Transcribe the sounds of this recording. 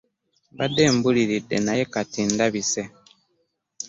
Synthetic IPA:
βade̞ːmbuliɾidːe̞̰naje̞katindaβise̞

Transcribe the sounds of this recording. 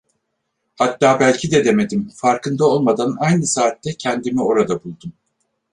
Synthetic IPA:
hat̪ːaːbælʲcʰid̪ɛd̪e̞me̞d̪imfaɾkʰɯnd̪ao̞lˠmad̪anajnɯsaːt̪ːɛcʰɛnd̪imio̞ɾad̪abulˠd̪um

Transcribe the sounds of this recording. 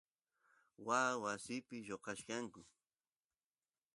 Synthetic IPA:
waːwasɪpɪjoqɑʃkɑŋkʊ

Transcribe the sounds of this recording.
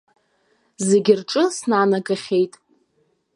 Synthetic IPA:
zeɡʲɪrʈ͡ʂʼɨsnaːnaɡaχʲe̞jtʼ

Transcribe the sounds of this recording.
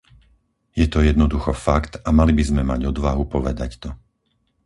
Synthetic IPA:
jɛt̪ɔjɛd̪nɔd̪uxɔfakt̪amalibizmɛmaɟɔd̪ʋaɦupɔʋɛd̪act̪ɔ

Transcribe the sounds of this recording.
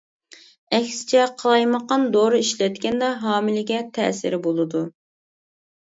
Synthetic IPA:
ɛkʲsɪ̥t͡ʃʰɛqʰəlˠɑjməqɑnd̪oɾɨiʃlɛt̪kʲɛnd̪ɑɦɑːmɪlɪɡʲɛt̪ʰɛ̰ːsɪ̰ɾɪbolˠɨd̪u

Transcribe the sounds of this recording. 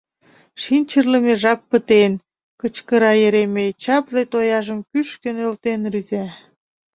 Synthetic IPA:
ʃinʲt͡ɕərləmeʒɑpːət̪en | kət͡ɕkəɾɑjeɾemet͡ɕɑplet̪ojɑʒəmkyʃkənølt̪enryzæ

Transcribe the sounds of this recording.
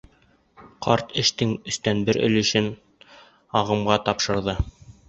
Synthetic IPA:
qɑɾt̪ʰɘ̆ʃt̪ɘŋɵ̆st̪ænbɘɾʔɵ̰̆lɘ̆ʃɘn | ɑʁɤ̆mʁɑt̪ɑpʃɤ̆ɾðɤ

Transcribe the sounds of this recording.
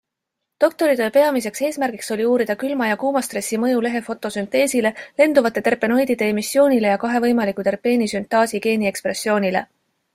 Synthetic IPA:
t̪o̞k̚t̪o̞ɾid̪e̞pe̞ɑmise̞kse̞ːsmærɡ̥ikso̞lʲiuːɾid̪̥ɑkylmɑjɑkuːmɑst̪re̞sːimɤ̞jule̞ɦe̞fo̞t̪ːˑo̞synt̪e̞ːsile̞le̞nd̪̥uvɑt̪ˑːe̞t̪e̞rpe̞no̞jd̪̥id̪̥e̞emisːjo̞ːnʲile̞jɑkɑɦe̞vɤjmɑlikut̪e̞rpe̞ːnisynt̪ˑɑːsiɡe̞ːnie̞kspre̞sːjo̞ːnʲile̞̰

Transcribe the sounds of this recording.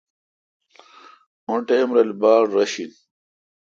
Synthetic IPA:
õʈeːmɾɐlbaːɾːɐɕin

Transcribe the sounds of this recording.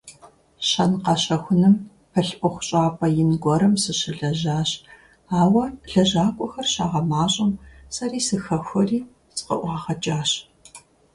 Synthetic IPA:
ɕɐnqɑɕɐxʷʊnɨm | pʰɐɬpʷʼʊxʷʊɕʼaːpʼɐjɪnɡʷɔɾɐmsɨɕɪɮɐʑaːɕ | aːwɐɮɐʑaːkʷʼɔxɐrɕaːʁɐmaːɕʼɐmsɐɾiːsɨxɐxʷɔriː | t͡sʼɨ̥qɐ̰ʔʷɑːʁɐt͡ʃʼaːɕ

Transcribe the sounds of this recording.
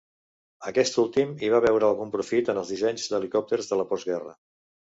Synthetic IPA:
əkɛst̪ulˠt̪imiβaβɛwɾəːlˠɣumpɾufit̪ənəlˠzðizɛɲzd̪əlikɔp̚t̪eɾzðələpɔzɣɛrə̰

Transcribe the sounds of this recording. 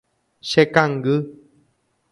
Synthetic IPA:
ʃekaŋɡɨ

